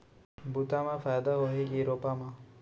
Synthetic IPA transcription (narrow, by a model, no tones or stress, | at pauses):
but̪amafajad̪aɦoɦiɡiɾopama